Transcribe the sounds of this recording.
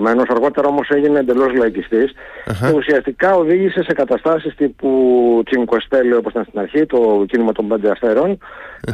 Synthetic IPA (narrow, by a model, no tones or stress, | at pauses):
me̞no̞sɐɾɣo̞t̪e̞ɾɐo̞mo̞seʝineːnd̪e̞lo̞zlɐicist̪isce̞usiɐst̪ikɐo̞ðiʝise̞se̞kɐt̪ɐst̪ɐsist̪iput͡siŋkost̪e̞lio̞posit̪ɐnst̪inɐɾçit̪o̞cinimɐt̪o̞mbend̪eɐsθe̞ɾo̞n